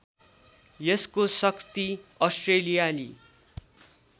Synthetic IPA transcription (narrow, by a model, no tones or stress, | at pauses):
jʌskosʌkt̪iʌsʈrelijalḭ